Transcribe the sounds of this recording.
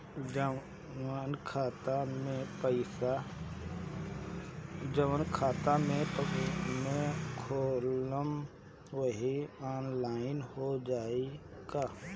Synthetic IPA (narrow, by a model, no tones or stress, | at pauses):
ənkʰaːt̪amẽpəɪsa | d͡ʒəʋənkʰaːt̪amẽpmẽkʰoːləm | wəɦiaːnlaːɪnɦod͡ʒaːe | ɡaː